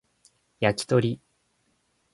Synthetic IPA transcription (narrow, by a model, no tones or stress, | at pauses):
jakʲi̥t̪o̞ɾʲi